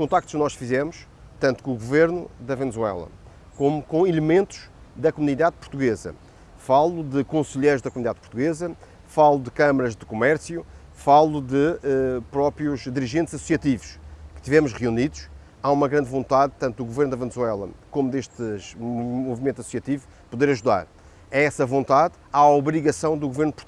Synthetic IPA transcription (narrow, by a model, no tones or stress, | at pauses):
ukõt̪ak̚t̪u̥ʃknɔʃfizɛmuʃ | t̪ɐ̃nt̪u̥kõuɣuveɾnuðɐvɨnɨzwɛ̰lˠɐ̰ | komukõilˠɨmẽnt̪u̥ʃ | ðɐkumuniðaðpuɾt̪uɣezɐ̰ | falˠuðɨkõsɨʎejɾuʒðɐkumuniðaðpu̥ɾt̪uɣezɐ | falˠud̪ɨkɐmɐɾɐʒðɨkumɛɾsju | falˠuðɨɛpɾɔpɾijuʃd̪iɾiʒẽnt̪z̥ɐsu̥siɐt̪ivuʃkɨ̥ʃt̪ivɛmuʃʁijuniðuʃ | aumɐɣɾɐ̃nd̪võnt̪aðt̪ɐ̃nt̪ud̪uɣuveɾnd̪ɐvɨnzwɛlˠɐ̰komud̪eʃt̪ɨʒmumuvimẽnt̪ɐsusiɐt̪ivu | puðeɾɐʒuða̰ɾ | ɛɛsɐvõnt̪að | aɔβɾiɣɐsɐ̃w̃d̪uɣuveɾnupuɾt̪u